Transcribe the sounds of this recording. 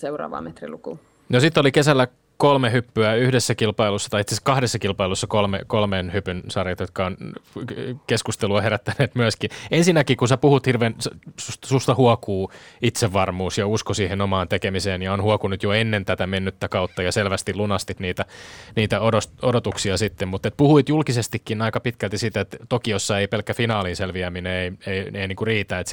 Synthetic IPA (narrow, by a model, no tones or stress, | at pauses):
seurɑ̰ːʋɑ̰ːmet̪rḭluku | nosit̪ːolikesælːæ | kolmehypːyæyhdesːækilpɑilusːɑt̪ɑjit̪seskɑhdesːɑkilpɑilusːɑkolmekolmeːnhypynsɑrjɑt̪jot̪̚kɑon | keskust̪eluɑheɾæt̪ːæneːt̪myæskinensinːækikunsepuhut̪hirʋeːnssussust̪ɑhuokuːit̪seʋːɑrmuːsjɑuskosiːhenomɑːnt̪ekemiseːnjɑonhuokunut̪joenːent̪æt̪æmenːyt̪ːækɑut̪ːɑjɑselʋæst̪ilunɑst̪it̪niːt̪æniːt̪æodostodot̪uksiɑsit̪ːemmut̪et̪̚puhuit̪julkisest̪ikːinɑikɑpit̪kælt̪isit̪æet̪t̪ːokijosːɑeipelkːæfinɑːliːnselʋiæmineeieieiniːŋkuriːt̪æːet̪s